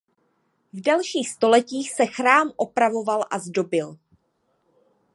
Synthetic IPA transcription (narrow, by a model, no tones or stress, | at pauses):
vdalʃiːxst̪o̞lɛciːxsɛxɾaːmʔo̞pɾavo̞valʔazdo̞bɪl